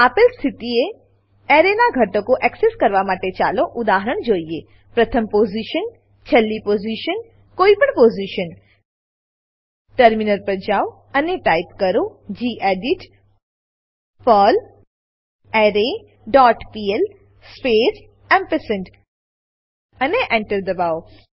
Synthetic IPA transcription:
apɪlst̪ʰɪt̪ie | eːɾenaɡʱɐʈokoʔɛkseskəɾʋamaːʈet͡ʃa̰ːloʔʊd̪aːɦəɾəɳ̃d͡ʒoːie | pɾɐt̪ʰəmpoːziʃən | t͡ʃʰəlːipoːziʃən | koːipəɳpoːziʃən | ʈəɾminəɾpɾəd͡ʒaːw | ɐneʈaːɪpkɐɾod͡ʑiːʔeːɖiʈ | pəːl | eːɾe | ɖɔːʈpiːel | speːs | ɛ̃mpesəɳʈ | ɐneʔẽɳʈəɾd̪ɐbaːo

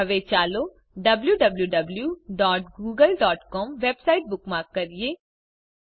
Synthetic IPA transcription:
ɐʋet͡ʃaːlo | ɖɐbljuɖɐbljuɖɐbljuɖɔːʈ̚ɡuːɡəlɖɔːʈkɔːmʋeːbsaːɪʈ̚bʊkmãkɐɾijeː

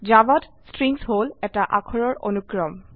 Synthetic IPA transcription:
d͡ʒabɔt | stɹiŋsɦolɛtaʔakʰɔɹɔɹʔo̰nukɹɔm

